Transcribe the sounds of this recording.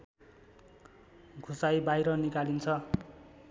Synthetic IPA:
ɡʱusajbajɾʌnikalint͡sʰʌ

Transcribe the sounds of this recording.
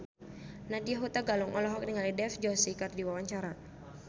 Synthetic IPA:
nadiaɦut̪aɡaluŋʔɔlɔɦɔk̚niŋalidɛfd͡ʒɔsikardiwawaɲt͡ʃaɾa

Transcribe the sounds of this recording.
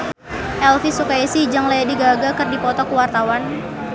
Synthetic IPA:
ʔɛlfisukajisid͡ʒaŋlajadiɡaɡakɨrdipɔt̪ɔkuwart̪awan

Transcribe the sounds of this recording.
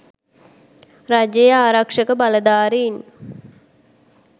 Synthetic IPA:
ɾad͡ʒejəaːɾakʂəkəbaləd̪aːɾin

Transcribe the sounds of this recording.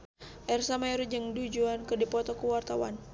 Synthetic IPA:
ʔɛrsamajɾud͡ʒəŋdud͡ʒuankərdipɔt̪ɔkuwart̪awa̰n

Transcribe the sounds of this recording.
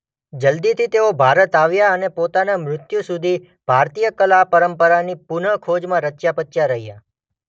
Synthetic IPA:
d͡ʒəld̪it̪ʰit̪eobʱaɾət̪aʋjaənepot̪anamɾʊt̪jusud̪ʱi | b̥ʱaɾt̪ijəkəlapəɾəmpəɾanipunəɭkʰod͡ʒmãɾət͡ʃjapət͡ʃːjaɾəɦija̰

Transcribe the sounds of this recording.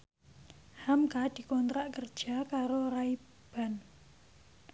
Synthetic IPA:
hamkad̪̥i̤kɔnt̪ɾaʔkərd̥ʒ̥a̤kaɾoɾai | b̥a̤n

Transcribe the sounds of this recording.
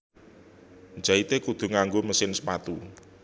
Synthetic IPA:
nd͡ʒait̪ekud̪̥ṳŋaŋɡoməsɪnsəpat̪u

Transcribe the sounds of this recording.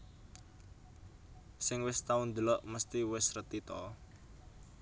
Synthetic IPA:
sɪŋwɪst̪aund̪əlɔʔməst̪iwɪsrət̪it̪ɔ

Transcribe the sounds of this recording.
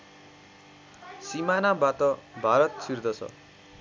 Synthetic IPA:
simanabat̪ʌbʱaɾʌt̪sird̪ʌsʰʌ̰

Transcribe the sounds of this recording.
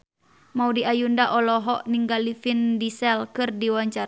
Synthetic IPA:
maudiʔajundaʔɔlɔɦɔʔniŋɡalifindisɛlkɨrdiwaɲt͡ʃa

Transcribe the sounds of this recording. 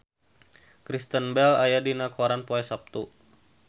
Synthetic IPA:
kɾist̪ənbɛlajadinakoɾanpoɛsap̚t̪u

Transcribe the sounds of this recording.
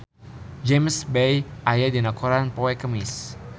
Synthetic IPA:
d͡ʒemsbejʔajadinakuɾanpowɛkəmɪs

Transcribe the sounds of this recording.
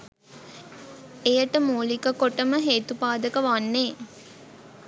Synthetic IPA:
ejəʈəmuːlikəkoʈəməɦeːt̪upaːd̪əkəʋanːeː

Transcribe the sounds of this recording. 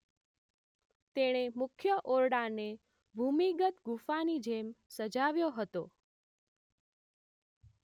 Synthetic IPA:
t̪eɽ̃emʊkʰjəʔoɾɽane | bʱumiɡət̪ɡufanid͡ʒemsəd͡ʒaʋjoɦət̪o̰

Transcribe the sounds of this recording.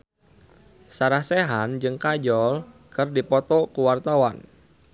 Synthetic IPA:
saɾahsɛɦand͡ʒɨŋkad͡ʒɔlkərdipɔt̪ɔkuwart̪awan

